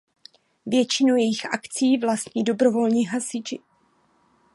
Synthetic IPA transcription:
vjɛt͡ʃɪnujɛjɪxʔakt͡siːvlast̪ɲiːdo̞bɾovo̞lɲiːɦasɪd͡ʒɪ

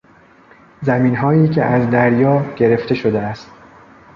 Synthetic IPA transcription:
zæmiːnɦɒːiːcʰe̞ʔæzd̪æɾjɒːɟe̞ɾe̞ft̪e̞ʃo̞d̪eæst̪

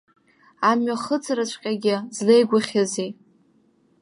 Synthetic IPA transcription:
amɥaχət͡sʰarat͡ɕʷʰʼqʲʼaɡʲɪzlejɡʷʊχʲazi

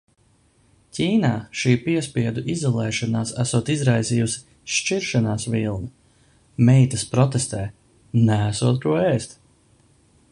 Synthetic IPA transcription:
cʲiːnaːʃiːpiɛspiɛd̪uʔizɔlˠɛːʃanaːsæsuːt̪izɾajziːjusi̥ | ʃt͡ʃiɾʃanaːsvilˠna | mɛjt̪ɐspɾɔt̪est̪ɛː | næːsuːt̪̚kuɔɛːst̪

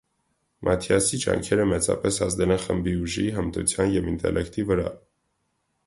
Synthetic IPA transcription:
mʔɑt̪ʰjɑsid͡ʒɑ̰ŋkʰɛɾəmɛt͡sɑ̰pɛsɑzd̪ɛlɛnχəmbiuʒiɦəmt̪ṵt͡sʰjɑnjɛvint̪ɛ̰lʔɛkt̪ivəɾɑ̰

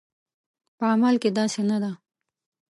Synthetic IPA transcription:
pəamalked̪ɑsenad̪a

